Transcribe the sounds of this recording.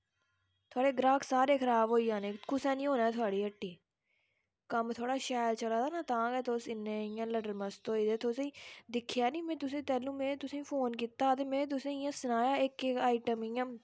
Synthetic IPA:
t̪ʰʊaːɽeːɡɾaːkʰsaːɾeːkʰəɾaːbɦoːiːãːnẽːkʊsɛ̃ːnĩːɦoːnaːɛːt̪ʰʊaːɽiːəʈːiː | kəmt̪ʰoːɽaːʃaːlt͡ʃəlaːd̪aːnãːt̪ãːɡɛːt̪ʰoːsɪnẽɪjãːləɖəɾməst̪õːid̪eːt̪ʰoːseːd̪ɪkʰjaːnĩːmɛ̃ːt̪ʊsẽːt̪ɛːlũːmẽːt̪ʊsẽːpʰoːnkiːt̪aːt̪eːmɛ̃ːt̪̬ʊsẽːijãːsənaːjaːɪkeaːɪʈəmɪjãː

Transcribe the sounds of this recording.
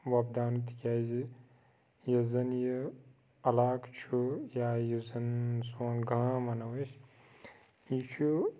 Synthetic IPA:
ʋɐb̚d̪aːnut̪ikʲaːzi | jɐzɐnjə | ɐlaːkt͡ʃʰujaːjizɐnsoːnɡamɐnɐwɐs | jit͡ʃʰu

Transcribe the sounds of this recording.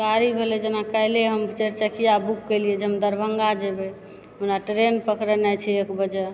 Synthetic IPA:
kaɾibʱelɛd͡ʒenakəɪleɦəmt͡ʃəɾt͡ʃəkʰijabukːəjliɛd͡ʒeɦəmd̪əɾbʱəŋɡad͡ʒebe | ɦunaʈɾenpəkɾənɛt͡ʃʰiekbəd͡ʒɛ

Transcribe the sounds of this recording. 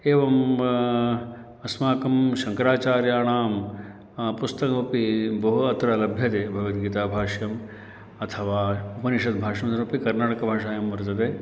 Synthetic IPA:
eːʋɐm | ɐsmaːkɐmʃɐŋkɐɾaːt͡ʃaːɾjaːɳaːm | pust̪ɐkɐpibɐɦuɐt̪ɾɐlɐbʱjɐt̪eːbʱɐʋɐt̪ɡiːt̪aːbʱaːʂjɐm | ɐt̪ʰɐʋaːupɐniʃɐt̪̚bʱaːʂɐmsɐɾupikɐɾnaːʈɐkɐbʱaːʂaːjɐmʋɐɾt̪ɐt̪eː

